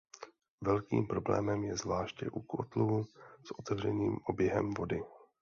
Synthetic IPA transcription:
vɛlkḭːmpɾo̞blɛ̰ːmɛmjɛzvlaːʃcɛ̰ʔukot̪lusʔo̞t̪ɛvr̝ɛɲiːmʔo̞bjɛɦɛ̰mvo̞dɪ

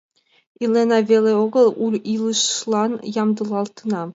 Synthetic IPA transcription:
ilʲenɑvʲelʲeoɣɤ̆lˠuɾilˠɯʃlˠɑnjɑmd̪ɯlˠɑlˠt̪ɯnɑ

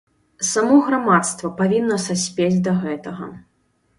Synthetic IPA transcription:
samɔɣɾamat̪st̪vɐpavʲinːɐsasʲpʲed͡zʲd̪ɐɣɛt̪ɐɣɐ̰

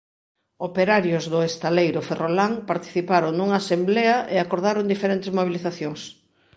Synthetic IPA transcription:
opeɾaɾjʊzðʊest̪alejɾʊferolaŋpaɾt̪i̥θipaɾoŋnuŋaːsemblɛɐʔeakoɾðaɾond̪ifeɾent̪ezmoβ̞iliθaθjoŋs

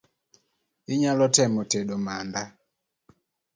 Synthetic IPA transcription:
iɲalɔtɛmɔtɛɗɔmanda

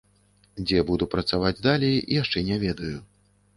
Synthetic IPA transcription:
d͡zʲɛbud̪upɾɐt̪savad͡zʲd̪alʲɛjijaʂt͡ʂɛnʲɛvʲɛd̪ɐju

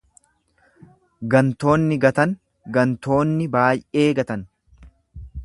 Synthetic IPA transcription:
ɡɐnt̪o̞ːnːɪɡɐt̪ɐŋ | ɡɐnt̪o̞ːnːɪbaːjʔe̞ːɡɐt̪ɐn

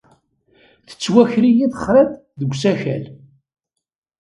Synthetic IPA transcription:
θə̥t͡sːwæçɾijiθəχɾæθ | ðəɡʷsæçæ̰l

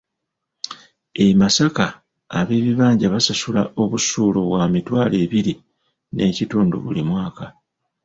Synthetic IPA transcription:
emasakaː | βe̞ːβiβaːɲɟaβasasulao̞βusuːlo̞βwamitwaːle̞ːβiɾi | nʔe̞cituːndṵβulimwaːka

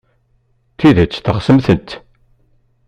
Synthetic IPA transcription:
θiðət͡sːθəχsəmθənt̪

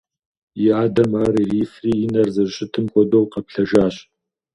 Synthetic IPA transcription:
jɪaːdɐmaːɾiːriːfriːɪnɐrzɨɕʼɪtʰɨmkʷʼɔdowqɐpɬɐʒaːɕ

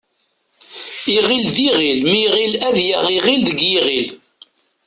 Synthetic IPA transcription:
iʁild̪iʁilmiʁilæðjæʁiʁilðəɡjiʁil

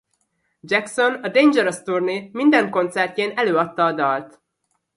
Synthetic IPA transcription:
d͡ʒɛkso̞nɒd̪eːɲd͡ʒɛɾost̪urnemind̪ɛŋko̞nt̪sɛrceːnɛløːɒt̪ːɒːd̪ɒlt̪

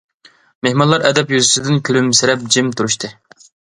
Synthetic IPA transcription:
mehmɑnlˠɑɾʔɛd̪ɛpjyzysɪd̪ɪnkʲʰylymsɪɾɛp̚d͡ʒimt̪ʰuɾuʃt̪ʰɨ

